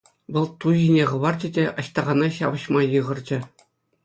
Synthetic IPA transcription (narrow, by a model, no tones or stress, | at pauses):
ʋɤ̆lˠt̪uʑinʲeʁɤ̆ʋɑrd͡ʑɘ̆dʲeɑɕt̪ɑʁɑnɑɕɑʋɤ̆ɕmɑjɯʁɤ̆rd͡ʑɘ̆